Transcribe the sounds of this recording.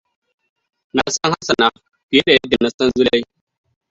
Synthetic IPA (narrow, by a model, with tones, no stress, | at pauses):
na˨sa˦ŋha˦sa˨na˨ | pi˨e˦ɾa˨ja˦di˨nːa˨sa˦n˦zu˦la˦i˦